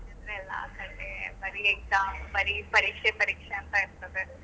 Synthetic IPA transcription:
ɐnd̪ɾeɛlːa̰ːkɐɳɖebɐɾieɡ̚saːmbɐɾipɐɾiːkʂepɐɾiːkʂeɐnt̪aɪɾt̪ɐðe

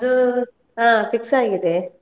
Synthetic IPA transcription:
ɐd̪u | aːpʰiksaːɡid̪e

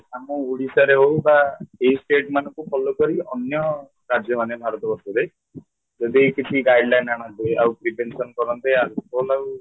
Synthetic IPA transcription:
amɔuɽisaɾeɦowbaeisʈeʈmanɔ̃ŋkupʰɔlokɔɾiɔnjɔ | ɾad͡ʒjɔmanebʱaɾɔt̪ɔbɔsɔd̪e | d͡ʒɔd̪ikit̪ʰiɡajɖlajnaɽ̃ɔ̃nt̪eawpɾibensɔnkɔɾɔnt̪eaɾolaw

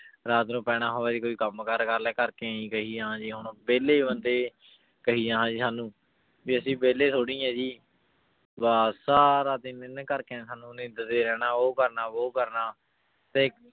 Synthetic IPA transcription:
ɾaːt̪nũːpɛːɽ̃aːɦoːʋɛːd͡ʒ̪iːkoːiːkəmkəɾkəɾlɛːkəɾkeːĩːkəɦiːãːɦãːd͡ʒiːɦʊɳbeːleːbənd̪eː | kəɦiːãːɦãːd͡ʒiːsaːnũː | biːəsĩːbeːleːt̪ʰoːɽiːãːd͡ʒiː | baːsaːɾaːd̪ɪnnːkəɾkẽsaːnũːnẽːd̪əd̪eːɾɛːɽaːoːkəɾnaːʋoːkəɾnaː | t̪eː

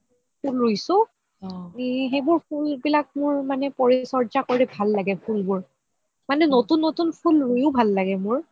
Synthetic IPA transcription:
pʰulɹojsʊ | ɦebʊɹpʰulbilak̚mʊɹmanɛpɔɹisɔɹzakoɹibʱalːaɡɛpʰulbʊɹ | manɛnotunːotunpʰulɹujʊbʱalːaɡɛmʊɹ

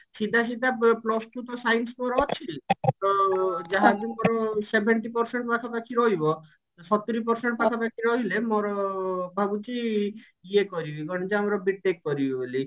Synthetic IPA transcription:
sid̪ʱaʃid̪aplɔsʈut̪ɔsajnsmɔɾɔɔt͡ʃʰilt̪ɔd͡ʒaɦad͡ʒumɔɾɔsebʱeɳʈipɔɾseɳʈpakʰapakʰiɾɔɦibɔ | sɔt̪ːuɾipɔɾseɳʈɔpakʰapakʰiɾɔɦilemɔɾɔbʱabut͡ʃi | ɡiekɔɾibiɡɔɽit͡ʃɔamɾɔbiʈ̚t̪ekkɔɾibiuli

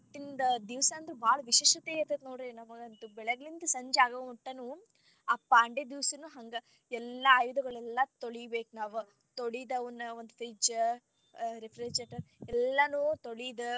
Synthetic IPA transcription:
t̪ːind̪ɐd̪iʋsɐːnd̪ɐɾubaːɭɐʋiʃeːʃɐt̪eɐt̪ɐnoːɽɾenɐmɐɡɐnd̪ubɛɭɐɡɐɭind̪ɐsɐɲd͡ʒaːɡɐʋɐʈːɐnuː | ɐpːaɐɳɖed̪iʋsɐnuɦɐŋɡɐ | ɛlːɐːjud̪ɐɡɐɭɛlːɐt̪oɭijbeːknaːʋu | t̪oɽid̪ɐʋɐnːɐond̪ufed͡ʒ | ɾepʰɾed͡ʒɐʈɐɛlːɐnuːt̪oɽid̪ɐ

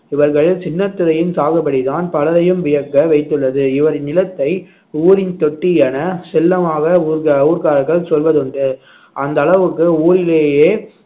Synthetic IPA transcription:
ɪʋɐɾɣɐɭɪlt͡ʃɪnːɐt̪ːɪɾɐjɪnsaːɣɐpːɐɽit̪aːnpɐlɐðɐjɯmʋɪjɐkːɐʋɐɪt̪ːɯɭːɐðɯɪʋɐɾnɪlɐt̪ːɐɪ | uːɾɪnt̪ɔʈːɪjaːnɐsɛlːɐmaːɣɐuːɾkuːɾkaːɾɐɣɐɭsɔlʋɐðɯɳɖɯ | ʔɐnd̪ɐɭɐʋɯkːɯuːɾɪleːjeː

